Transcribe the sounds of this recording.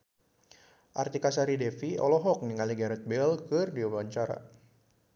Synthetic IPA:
ʔa̰rt̪ikasaɾidɛfiɔ̰lɔɦɔk̚niŋaliɡaɾɛt̪̚bɛlkɨrdiawaɲt͡ʃaɾa̰

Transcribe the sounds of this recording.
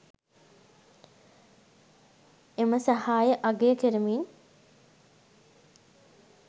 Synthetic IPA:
eməsahaːjəʔaɡejəkiɾəmin

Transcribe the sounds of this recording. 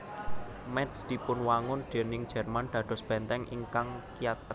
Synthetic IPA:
mɛt̪sd̪̥i̤pʊnwaŋʊnɖ̪̥e̤nɪŋd̥d͡ʒ̥ɛ̤rmand̪̥ä̤d̪̥ɔ̤sb̥ɛnt̪ɛŋʔḭŋkaŋkijat̪̚

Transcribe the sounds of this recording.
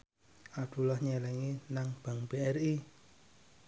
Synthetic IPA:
ad̪̥ṳlɔhɲɛlɛŋinaŋb̥a̤ŋbeɛri

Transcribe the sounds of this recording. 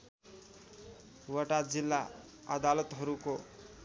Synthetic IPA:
wʌʈad͡zilːa | ad̪alʌt̪ɦʌɾuko

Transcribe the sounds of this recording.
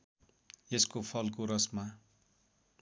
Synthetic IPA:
eskopʰʌlkoɾʌsma

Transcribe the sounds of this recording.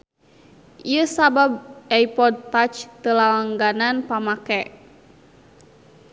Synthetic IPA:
ʔiəsababʔaipɔd̪̚t̪at͡ʃt̪əlawaŋɡananpamakɛ

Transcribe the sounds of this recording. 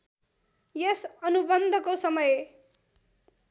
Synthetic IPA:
jʌsʌnubʌnd̪ʱʌkosʌmʌje

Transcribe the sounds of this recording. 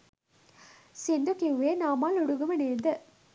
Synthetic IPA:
sind̪ukiuʋeːnaːmaːluɽuɡɐmɐneːnd̪ə

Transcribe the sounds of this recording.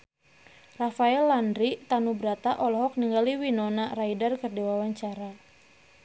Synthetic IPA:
rafaɛlːandɾit̪anubɾat̪aʔɔlɔɦɔk̚niŋɡaliwinɔnaraidarkɨrdiwawaɲt͡ʃaɾa

